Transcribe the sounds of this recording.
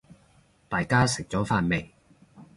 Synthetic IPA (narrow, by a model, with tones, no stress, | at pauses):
t̪aː˨jkaː˥sɪ˨k̚t͡sɔː˨˥faː˧nme˨j